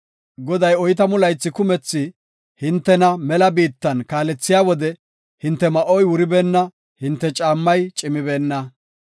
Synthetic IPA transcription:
ɡɔd̪ɐjɔjt̪̬ɐmʊlɐjt͡sːɪkʊmɛt͡sːɪ | hɪnt̪ːɛnɐmɛlɐbiːt̪ːɐnkaːlɛt͡sːɪjaːwɔd̪ɛ | hɪnt̪ːɛmɐʔɔjwʊɾɪbe̞ːnːɐ | hɪnt̪ːɛt͡ʃʼaːmːɐjt͡ʃʼɪmɪbe̞ːnːɐ

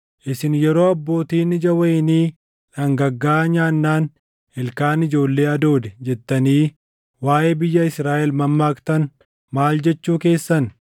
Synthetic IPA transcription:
ʔɪsɪnjɛɾo̞ːɐbːo̞ːt̪iːnːɪd͡ʒɐwɐjɪniː | ᶑɐŋɡɐɡːaːɲaːnːaːn | hɪlkaːnɪd͡ʒo̞ːlːe̞ːɐd̪o̞ːd̪ɛd͡ʒɛt̪ːɐniː | waːʔeːbɪjːɐɪsɾaːʔɛlmɐmːaːkt̪ɐn | maːld͡ʒɛt͡ʃːuːke̞ːsːɐn

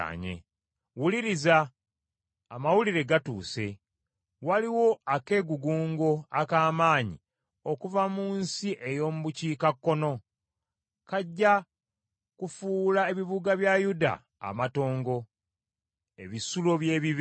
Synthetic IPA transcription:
ɲḛ | wuliɾizaː | mawuliɾe̞ɡatṵːse̞̰ | waliwo̞ake̞ːɡuɡuːŋɡo̞akaːmaːɲḭ | o̞kuvamuːnsiʔe̞jo̞ːmuβuciːkakːo̞no̞ | kaɟːa | kufuːlaeβiβuɡaβjajuda̰ː | mato̞ːŋɡo̞ | e̞βisulo̞βjeːβiβ

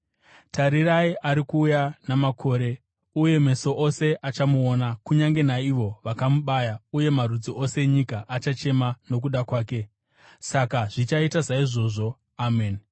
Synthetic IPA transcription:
taɾiraiʔaɾikuːjanamakʰo̞ːɾe̞ | uje̞me̞so̞ʔose̞ʔat͡ʃamuonakuɲaŋɡe̞naiʋo̞ʋakamuɓajauje̞maɾud͡ziʔo̞se̞ɲikaʔat͡ʃat͡ʃe̞mano̞k̬uɗakwaːke̞ | sakaʐ̥it͡ʃaitazaiʐo̞ːʐo̞ | aːmeːn

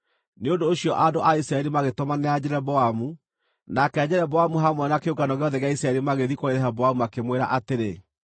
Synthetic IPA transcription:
neondoːɕjɔʔadoʔaisɾaɛɾimaɣetɔmanead͡ʑɛɾɛbɔamu | nakɛːd͡ʑɛɾɛbɔamuɦamwɛnakeoɡanɔɣeɔðɛɣeaisɾaɛɾimaɣeðikoeɾɛɦabɔamuakemweɾa̰ʔateɾe

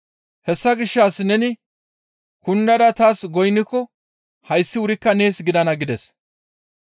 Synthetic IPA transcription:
hɛsːɐɡɪʃːaːsnɛnɪ | kʊnːɐd̪ɐt̪aːsɡɔjnːɪkːɔ | hɐjsːɪwʊɾɪkːɐne̞ːsɡɪd̪ɐnɐɡɪd̪ɛs

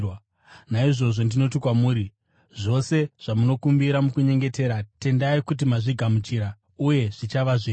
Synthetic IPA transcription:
naiʐo̞ʐo̞ndino̞t̬ikwamuːɾi | ʐo̞se̞ʐ̥amuno̞kumbiɾamukuɲe̞ŋɡe̞te̞ːɾate̞ndaikut̬imaʐiɡʱamut͡ʃiɾa | uje̞ʐ̥it͡ʃaʋaʐi

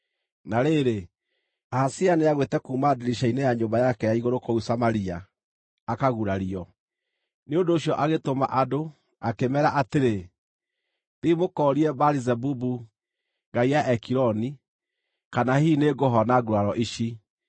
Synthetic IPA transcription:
naɾeɾe | aːsianeaɣwetɛkuːmadiɾiʃainɛjaɲombajakɛjaiɣoɾokousamaɾiaː | kaɣuɾaɾiɔ | neondoːɕjɔʔaɣetoma̰ʔado | akemɛɾaʔateɾe | ðimokɔɾiɛbaɾizɛbubu | ŋɡaijaʔɛkiɾɔni | kanahineɡɔɦɔnaɡuɾaɾɔʔiʃi

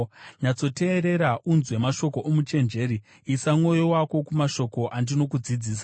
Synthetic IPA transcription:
ɲat͡so̞te̞ːɾeɾaʔunzwe̞maʃo̞ko̞ʔomut͡ʃe̞nd͡ʒe̞ːɾi | isamŋo̞jo̞wako̞kumaʃo̞ko̞ʔandino̞kud͡zid͡ziːs̬a

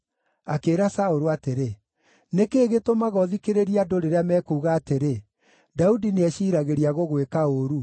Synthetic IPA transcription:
akeːɾasaoɾuateɾe | nekeːɣetomaɣɔðikeɾeɾiadoɾeɾeamɛːkuːɣaːteɾe | daudineɛʃiːɾaɣeɾiaɣoɣwekaoɾu

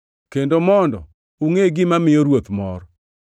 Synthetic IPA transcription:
kendomɔndɔ̰ | uŋeɡɪmamɪjɔɾwot̪mɔ̰ɾɔ

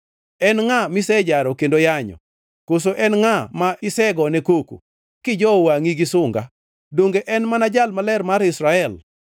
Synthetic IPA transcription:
ɛnŋamisɛd͡ʒaɾɔkendojaɲɔ̰ | kos̬oʔɛnŋamaɪsɛɡɔnɛkokṵ | kɪd͡ʒɔwaŋiɡisʊŋɡa̰ | doŋɡeʔɛnmanad͡ʒalmalɛrmaɾɪsɾaɛl

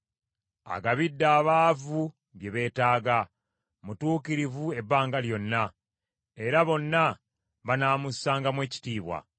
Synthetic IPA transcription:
a̰ɡaβidːaːβaːvu | βje̞βe̞ːtaːɡa | mutuːkiɾivue̞bːaːŋɡaljo̞nːa | e̞ɾaβo̞nːa | βanaːmusaːŋɡamwe̞ːci̥tiːβwa̰

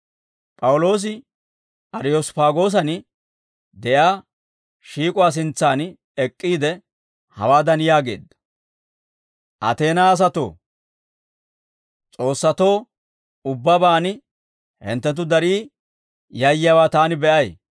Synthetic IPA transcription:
pʼɐwʊlo̞ːs̬ɪ | ʔɐɾɪjospaːɡo̞ːs̬ɐn | d̪ɛʔaː | ʃiːkʼʊwaːs̬ɪnt͡sːaːn | ɛkʼːiːd̪ɛ | hɐ̰waːd̪ɐnɪjaːɡḛːd̪ɐ̥ | ʔɐ̰t̪e̞ːnaːs̬ɐt̪o̞̰ː | t͡sʼo̞ːsːɐt̪o̞ː | ʊbːɐbaːn | hɛ̰nt̪ːɛt̪̬ʊd̪ɐɾiː | jɐjɪjaːwaːt̪aːnɪbɛʔɐj

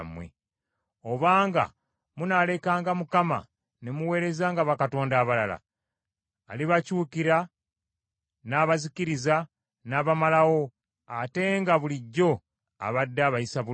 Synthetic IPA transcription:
mwḛ | oβaːŋɡa̰ | munale̞kaːŋɡamukama̰ | ne̞muwe̞ːɾe̞zaːŋɡaβakato̞ːndaːβalala̰ː | liβacuːkiɾa | naːβaziciɾiza | naːβamalawo̞ | ate̞ŋɡaβuliɟːo̞ | a̰βadːaːβajisaβu

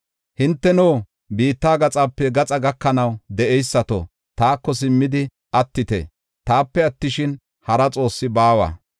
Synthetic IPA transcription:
hɪnt̪ːɛnoː | biːt̪ːaːɡɐt͡sʼaːpːɛɡɐt͡sʼɐɡɐkːɐnɐwd̪ɛʔɛjsːɐt̪o̰ | t̪aːkːɔs̬ɪmːɪd̪ɪ | ɐt̪ːɪt̪ɛ̰ | t̪aːpːɛɐt̪ːɪʃɪn | hɐɾɐt͡sʼo̞ːsːɪbaːwɐ̰ː

